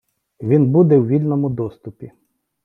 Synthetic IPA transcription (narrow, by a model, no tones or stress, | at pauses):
ʋʲinbud̪ɛwʋʲilʲnɔmʊd̪ɔst̪ʊpʲi